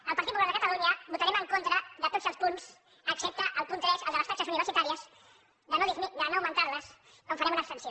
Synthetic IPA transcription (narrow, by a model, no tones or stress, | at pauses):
əlˠpəɾt̪it̪̚puβlald̪əkət̪əluɲəbut̪əɾɛməŋkont̪ɾəðət̪ozəlˠspunz | əksɛp̚t̪əʔəlˠpunt̪ɾɛsəlˠd̪ələstat͡ʃəsuniβəɾsit̪aɾiəz | d̪ənoðizmid̪ənoːwmə̃nt̪aɾləs | koɱfəɾɛmunəkst̪ənsjo